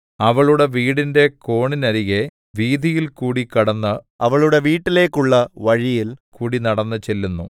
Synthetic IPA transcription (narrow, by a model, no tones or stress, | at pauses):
ɐʋɐɭuɽe̞ʋiːɽinde̞ko̞ːɳinɐɾiɣe̞ | ʋiːd̪ʱijilkuːɽikɐɽɐnːɐ | ɐʋɐɭuɽe̞ʋiːʈːile̞ːkːuɭːɐʋɐɻijilkuːɽinɐɽɐnːɐt͡ɕe̞lːunːu